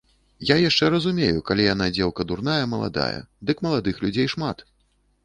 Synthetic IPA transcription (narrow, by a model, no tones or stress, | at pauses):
jajaʂt͡ʂɛɾɐzumʲejukalʲijanad͡zʲɛlˠkɐd̪urn̪ajɐmɐlˠa̰d̪a̰jɐ̰d̪ɨkmɐlˠad̪ɨxlʲud͡zʲejʂmat̪